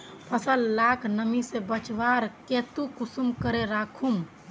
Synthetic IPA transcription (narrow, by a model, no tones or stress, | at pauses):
pʰəsəlːaːkʰnəmisebət͡ʃʋaːɾkeːt̪ukʊsumkəɾeɾaːkʰum